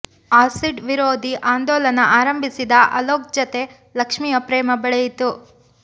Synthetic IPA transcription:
aːsiɖʋiɾoːd̪ʱiʔaːnd̪ɔːlɐnɐʔaːɾɐmbʱisid̪ɐʔɐ̰loːk̚d͡ʒɐt̪e̞ | lɐkʂmijɐpɾɛːmɐbɛɭejit̪u

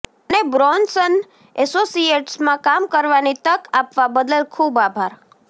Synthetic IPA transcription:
ənebɾɔnsən | ɛsosijeʈsmãkamkəɾʋanit̪əkapʋabəd̪əlkʰubabʱaɾ

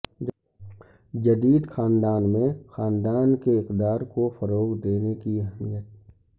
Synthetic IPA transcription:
d͡ʒəd̪iːd̪xaːnd̪aːnmẽxaːnd̪aːnkeɪkd̪aːɾkofəɾoːɡd̪eːnekiɛɦmijət̪̚

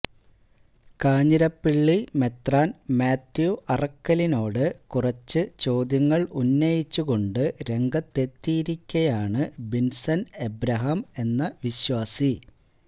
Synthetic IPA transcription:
kaːɲiɾɐpːiɭːime̞t̪raːnmaːt̪ːjuʔɐrɐkːɐlino̞ːɽɨkurɐt͡ɕːɨt͡ɕo̞ːd̪jɐŋːɐɭunːɐjit͡ɕːuɣo̞ɳɖɨɾe̞ŋɡɐt̪ːe̞t̪ːiːɾikʲːɐjaːɳɨbinsɐnebɾɐɦɐme̞nːɐʋiɕwaːsi

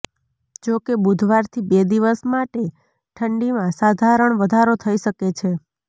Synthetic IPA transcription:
d͡ʒokebud̪ʱʋaɾt̪ʰibed̪iʋəsmaʈe | ʈʰəɳɖimãsad̪ʱaɾəɳʋəd̪ʱaɾot̪ʰəiʃəket͡ʃʰe

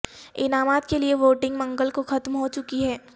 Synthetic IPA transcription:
ɪnaːmaːt̪kelieʋoːʈɪ̃ŋɡmɐ̃ŋɡəlkoxɐt̪mɦot͡ʃʊkiɦɛː

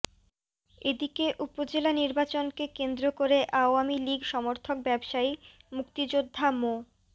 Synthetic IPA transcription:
ed̪ikeʔupod͡ʑelaniɾbat͡ɕonkekend̪ɾokoɾeʔaoamiliɡʱʃɔmoɾt̪ʰok̚bɛbʃai | mukt̪id͡ʑod̪ʱːamo

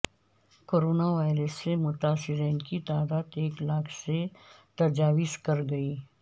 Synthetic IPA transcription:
koːɾoːnaʋaːɪɾəsːemʊt̪aːsɪɾeːnkit̪aːd̪aːd̪eːklaːkʰset̪ɐd͡ʒaːʋɪskɐɾɡɐiː

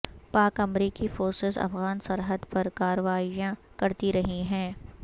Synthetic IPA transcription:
paːkɐmɾiːkifoːɾsɪzɐ̰fɣaːnsɐɾɦəd̪pɐɾkaːɾəʋaːijãkɐɾt̪iɾɐɦiɦɛ̃ː

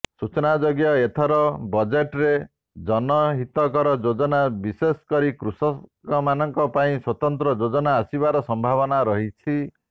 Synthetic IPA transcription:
sut͡ʃɔnad͡ʒoɡjɔet̪ʰɔɾɔbɔd͡ʒeʈɾe | d͡ʒɔnɔɦit̪ɔkɔɾɔd͡ʒod͡ʒɔnabiseskɔɾikɾusɔkɔmanɔŋkɔpaĩswɔt̪ɔnt̪ɾɔd͡ʒod͡ʒɔnaːsibaɾɔsɔmbʱaβɔnaɾɔɦit͡ʃʰi

